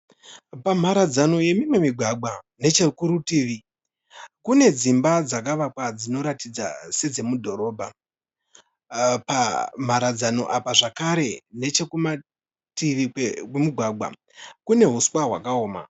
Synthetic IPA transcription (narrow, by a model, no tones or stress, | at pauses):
pam̤aɾad͡zano̞je̞mimwe̞miɡʱwaɡʱwa | ne̞t͡ʃekuɾutiːʋi | kune̞d͡zimbad͡zak̬aʋakwad͡zino̞ɾatid͡za̰se̞d͡ze̞mudʱo̞ɾo̞ːbʱa | pam̤aɾad͡zano̞̰ʔapaʐakaɾe̞ne̞t͡ʃekuma | tiʋiwemiɡʱwaɡʱwa̰ | kune̞ɦuswaɦwa̰kao̞ːma̰